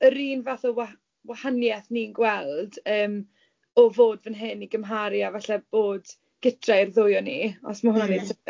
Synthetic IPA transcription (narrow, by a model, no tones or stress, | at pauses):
əɾiːnvaθɔwa | wahanjɛθninɡwɛlˠdəːm | ɔvoːdvənɦɨniɡəmɦaɾjavaɬɛb̥oːd | ɡ̥ɪtʰrajrðʊjɔniɔ̰smahʊnane̥tʰə